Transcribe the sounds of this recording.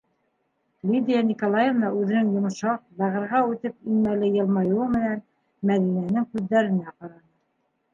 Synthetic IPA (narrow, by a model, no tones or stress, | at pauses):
lʲid̪ʲijanʲikolˠajevnɑʔʉðɘ̆nɘŋjŏmʃɑq̚b̪æʁɤ̆ɾʁɑʉt̪ɘp̚inmælɘjɤ̆lˠmɑjuɤmɘ̆næn | mæðinænɘŋkʉðːæɾɘ̆næqɑɾɑnɤ